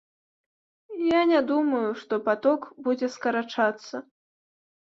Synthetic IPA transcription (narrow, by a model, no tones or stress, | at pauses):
janʲad̪umɐjuʂt̪ɔpat̪ɔkbud͡zʲɛskɐɾat͡ʂat̪sːɐ